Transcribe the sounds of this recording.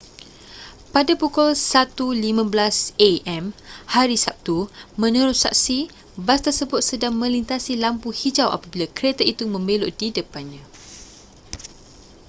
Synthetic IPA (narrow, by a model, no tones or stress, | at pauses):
padapokʊlsat̪ulimãbəlaseɛmhaɾisap̚t̪umə̃nə̃ɾʊsa̰k̚si | bast̪ərsəbʊt̪̚sədaŋmə̃lint̪asilampuhid͡ʒawʔa̰pabilakəɾet̪aʔit̪umə̃mbẽloʔdidəpanɲã